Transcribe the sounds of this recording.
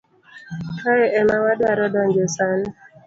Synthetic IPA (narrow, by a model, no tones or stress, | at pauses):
kaɛʔɛnawadaɾɔdaɲd͡ʒesanɪ